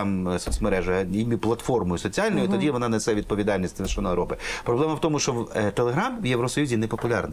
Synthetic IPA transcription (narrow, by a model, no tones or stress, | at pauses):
msɔt͡sʲmeɾɛʒɐɐimʲiplˠɐt̪fɔrmɔjʊsɔt͡sʲiɑlʲnɔjʊit̪ɔdʲiʋɔnɑnesɛʋʲid̪̚pɔʋʲid̪ɑlʲnʲisʲt̪ʲɪzʃnɔjɾɔpɪpɾɔblɛmɐwt̪ɔmʊʃt͡ʃɔwt̪elˠeɦɾamwjɛʋɾɔsɔjuzʲinɛpɔpʊlʲarnɪ